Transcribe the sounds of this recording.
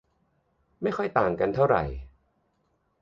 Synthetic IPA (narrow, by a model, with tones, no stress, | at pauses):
ma˥˩jxʰɔ˥˩jt̪aː˨˩ŋka˧nt̪ʰa˥˩wɾa̰˨˩j